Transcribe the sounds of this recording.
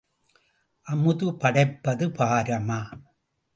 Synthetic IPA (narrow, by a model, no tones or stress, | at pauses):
ʔɐmɯðɯpɐɽɐɪpːɐðɯpaːɾɐmaː